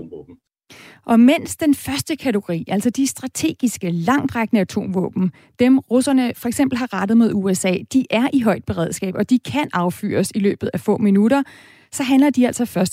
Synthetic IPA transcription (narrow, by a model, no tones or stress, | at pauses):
ʔɒ̽men̰sd̥enfɶɐsd̥əkʰæt͡sʰeɡ̥o̝ʁḭːʔæl̰sɒd̥isd̥ʁɑ̈t͡sʰe̝̰ːɡ̥isɡ̥əlɑ̈ŋ̰d̥ʁaɡ̥nəæt͡sʰo̝̰ːmʋɔ̰ːb̥n̩ | d̥emʁusɐnəfɒ̽e̝ɡ̥semb̥l̩ɦɑ̈ʁɑ̈d̥ð̩ˠmeð̞ˠuesɛ̰ːd̥iʔæɐʔiɦɒ̽ɪ̰d̥̚b̥e̝ʁɛð̞̰ˠsɡ̥ɛ̰ːb̥ɒ̽d̥ikʰænɑ̈ʊfy̰ːɐsilø̰ːb̥ð̩ˠæfɔ̰̽ːminuɾɐ | sɒ̽ɦænlɐd̥iæl̰sɒ̽fɶɐsd̥